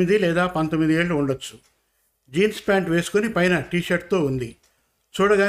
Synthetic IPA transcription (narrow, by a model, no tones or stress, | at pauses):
id̪ilɛːd̪aːpɐnt̪omːid̪ieːɭːuːɳɖɐt͡ʃːu̥ | d͡ʒiːnspaːɳʈʋe̞ːsu̥konipɐjnɐʈiːʃɐɾʈ̚t̪o̞ːund̪i | t͡ʃuːɽɐɡaː